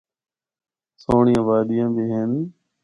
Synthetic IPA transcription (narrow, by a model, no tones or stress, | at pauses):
soːɳijãːʋaːɗ̪ijãːbiːɦeːn